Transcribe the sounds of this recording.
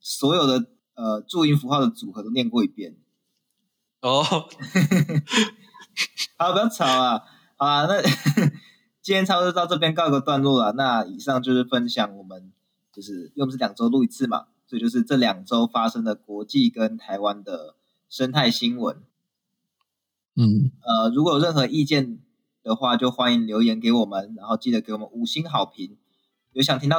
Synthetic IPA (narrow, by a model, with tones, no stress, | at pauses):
swɔ˧˥jo˨˩ʊd̪ə˩ | ə˨ʈ͡ʂu˥˧i˧˩nfu˧˥xwɑ˥˩ʊd̪ə˩t͡su˨˩xɤ˧˦t̪o˥ʊnjɛ˥˧nkwɔ˥˩i˧˥pjɛ˥˩n | ɔ˥˩ | xpi˨˩jɑ˥˩ʊʈ͡ʂʰɑ˥˨˩ʊa˨˦ | hɑ˨˩ʊla˦na˥˧ | t͡ɕi˥njɛ˦˥nt͡sʰɑ˥t̪ɑ˥˧ʊʈ͡ʂɤ˥˩p̬jɛ˥nk̬ɑ˥ʊ˧ɡə˨˩t̪wa˥˧nlwɔ˥˩la˨˩na˥˨i˨˩ʂɑ˥˧ŋt͡ɕjo˥˧ʊʂɻ̩˥˩fə˦nɕjɑ˨˩ŋwɔ˨˩mə˨˦n | t͡ɕjo˥˧ʊʂɻ̩˥˩˥ʂ̩˥˩jɑ˨˩ŋʈ͡ʂo˥ʊlu˥˩i˨˩t͡sʰɹ̩˥˩ma̰˨˩sɔ˧˥i˨t͡ɕjo˥˧ʊʂɻ̩˥˧ʈ͡ʂɤ˥˩ljɑ˨˩ŋʈ͡ʂo˦˥ʊfa˦ʂə˥ŋd̪ə˨kwɔ˧˥t͡ɕi˥˩kə˦nt̪ʰa˧˥ɪwa˦nd̪ə˩ | ʂə˥nt̪ʰa˥˩ɪɕi˦˥nwə̰˨˦n˥˩ | ə˩ɻu˧˥kwɔ˧˦jo˨˩ɻə˥˩nxɤ˧˦ʔi˥˧t͡ɕjɛ˥˩n | d̪̥ə˨xwa˥˧t͡ɕjo˥˩ʊxwa˦ni˧˦ŋljo˧˥ʊjɛ˧˦nke˧˥ɪwɔ˨˩mə˨˦nɻa˧˥nxo˥˧ʊt͡ɕi˥˩d̪ə˩ke˧˥ɪwɔ˨˩mə̰˦nu˨˩ɕi˦˥nxɑ˨˩ʊpʰi˨˦ŋ | jo˧˥ɕjɑ˨˩ŋt̪ʰi˥ŋt̪